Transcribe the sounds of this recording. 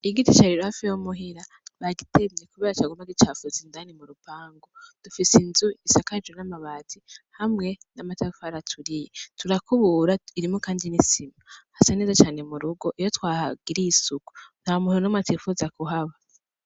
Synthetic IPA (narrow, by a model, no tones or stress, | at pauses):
iɡitit͡ʃaɾiɾuhafijomuɦiɾa | βaɡitʰemɲekuβeːɾat͡ʃaɡumaɡit͡ʃafuzindaːnimuɾupaːŋɡod̥ufisinzuisakad͡ʒunamaβaːtihamŋe̞namatafaɾatʰuɾijetuɾakuβuːɾaiɾimokaːndinisimahasaneːzat͡ʃaːne̞muɾuɡo̞ʔijotwaːhaɡiɾiːsuku̥n̥haomuhiɾonamŋatifuzakuɦaβa